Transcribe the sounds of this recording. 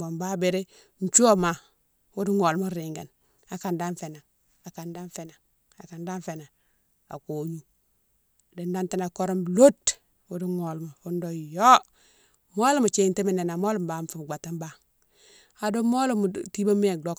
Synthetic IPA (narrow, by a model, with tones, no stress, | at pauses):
bo˨mba˦be˨ɾe˦ | n̩˨t͡ʃu˦o˦ma˨ | wu˦di˦ŋo˨lmo˦ɾi˨ŋɡa̰˨n | a˨ka˨nda˦nfe˨na˨ | a˨ka˨nda˦nfe˨na˨ | a˨ka˨nda˦nfe˨na˨ | a̰˨ko˨ɲu˦˨ | di˨nda˦nti˦na˨ko˦ɾo˦m˨lo˦t | wu˦di˦ŋo˨lmo˨fu˦ndo˦˨jo˦ | mo˦lu˦mu˨t͡ʃe˦˨nte˦mi˨ne˨na˨mo˦lu˨m˨ba˨m˨fu˨m˨ɡ͡ba˨ta˦mba˦ | a˨do˦mo˦lu˦mu˨ti˦ba˦mi˦e˨do˦k